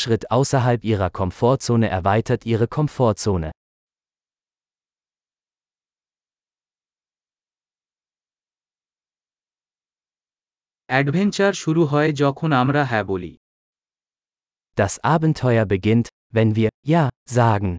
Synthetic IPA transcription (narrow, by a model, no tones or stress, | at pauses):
ʃʁ̥ɪtʰʔaʊsɐɦalpʔiːʁ̞ɐkʰɔmfoːɐt͡soːnəʔɛɐvaɪtʰɐtʔiːʁ̞əkʰɔmfoːɐt͡soːnə̰ | ɛɖvʱɛnt͡ʃɐɾʃuɾuɦɔed͡ʑɔkʰonamɾaɦɛbolḭ | d̥asʔaːbn̩tʰɔʏɐbəɡɪnt | vɛnviːɐjaːzaːɡŋ̩